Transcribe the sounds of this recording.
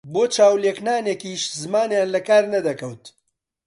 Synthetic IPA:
boːt͡ʃaːwleknaːnekiːʃzɨmaːnjaːnlɐkaːɾnɐd̪ɐkɐwt̪

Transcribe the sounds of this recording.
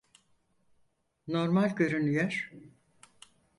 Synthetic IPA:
no̞ɾmalʲɟø̞ɾynyjøɾ̥

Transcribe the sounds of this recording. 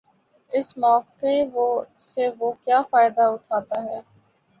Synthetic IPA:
ɪsmɔːkeʋo | seʋoːkjaːfaːɪd̪aʊʈʰaːt̪aɦɛː

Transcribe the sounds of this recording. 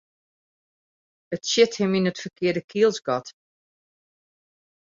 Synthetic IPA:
ətsjɪthɪminətfərkɪədəkʰiəlˠsɡɔt

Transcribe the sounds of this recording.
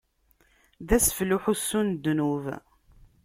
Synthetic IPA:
ðæsfluħusːund̪ːnuv

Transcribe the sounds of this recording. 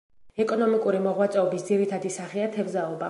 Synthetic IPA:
ɛkʼɔnɔmikʼuɾimɔʁwat̪sʼɛɔbisd̪ziɾit̪ʰad̪isaχiat̪ʰɛvzaɔba

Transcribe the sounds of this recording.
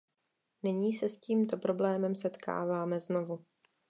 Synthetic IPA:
nɪɲiːsɛsciːmt̪o̞pɾo̞blɛːmɛmsɛt̪kʰa̰ːvaːmɛzno̞vu

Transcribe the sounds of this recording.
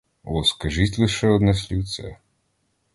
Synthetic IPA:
ɔskɐʒit̪ʲlˠɪʃɛɔd̪nɛs̬ʲlʲiwt̪sɛ̰

